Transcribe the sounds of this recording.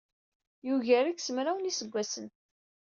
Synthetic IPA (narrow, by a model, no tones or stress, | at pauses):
juʝæɾiksəmɾawnisəɡʷːæsən